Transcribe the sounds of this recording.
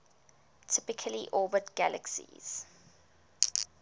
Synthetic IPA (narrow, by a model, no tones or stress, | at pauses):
tʰɪpɪkʰəliʔɔːbətɡ̥ælʔə̰ksḭz̥